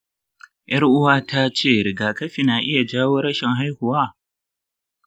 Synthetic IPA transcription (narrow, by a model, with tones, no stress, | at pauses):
jɐ˦ɾʔʊ˦waː˦tʰa˦t͡ʃeː˦˨ɾɪ˨ɡaː˨kɐ˦ɸi˨naː˨ʔɪ˦ja˨d͡ʒaː˦woː˦ɾɐ˦ʃɛ˨ŋɦa˦jhʊ˨waː˦